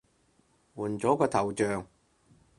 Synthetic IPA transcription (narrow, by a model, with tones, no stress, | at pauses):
wuː˨˩nt͡sɔː˨˥kɔː˧t̪ʰɐ˨˩wt͡ʃœː˨ŋ